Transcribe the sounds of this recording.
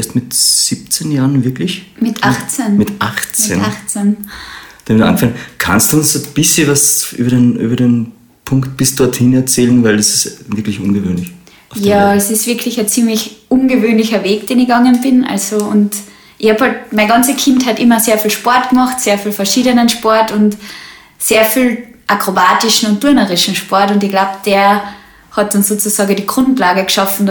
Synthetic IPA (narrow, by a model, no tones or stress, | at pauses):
ɛːɐstmɪtsiːp̚t͡senjaːʁənvɪɐklɪçmɪtaxt͡sɛnmɪtʔaχt͡sɛ̰naxt͡sɛn | d̥amɪtːa̰nɡəfaŋənkʰa̰nstd̥uʊnsob̥ɪsçəvasʔy̰bɐdenʔy̰ːbɐden | pʰʊŋkt̚b̥ɪsd̥ɔɐthɪnɛɐt͡sɛːlənvaɪldɐsɪ̥stvɪɐklɪçʔʊnɡəvøːnlɪç | ʊfjaːɛsɪstv̥ɪɐkʰlɪçæt͡siːmlɪçʔʊnɡəvøːnlɪçɐveːɡd̥eːnɪçɡ̥ɑŋənbɪnʔa̰lzoʊnt | ʔɪçhɑːphɔltmaɪnɡɑnt͡səkʰɪnthatʔɪmɐseːɐfiːlʃpɔɐtɡ̥mɑχtseːɐfiːlfɛɐʃiːdənənʃpɔɐtʊnt | seːɐfiːl | ʔakʁ̥obaːtɪʃn̩ʊnt̚ːʊɐnɐʁɪʃn̩ʃpɔɐtʊndɪçɡ̥laʊbd̥eːɐ | hɑt̚d̥ɑnsoːt͡susɑːɡŋ̩diːɡ̥ʁʊntlaːɡəɡʃɑfn̩